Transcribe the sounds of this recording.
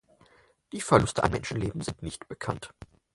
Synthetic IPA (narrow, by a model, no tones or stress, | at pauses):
d̥iːfɛɐlʊstəʔa̰mɛ̰nʃn̩leːbm̩zɪntnɪçtb̥əkʰa̰nt